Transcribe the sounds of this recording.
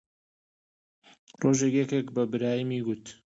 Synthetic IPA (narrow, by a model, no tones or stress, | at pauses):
roʒekjɛkekbɐbɨɾaːjimiɡut̪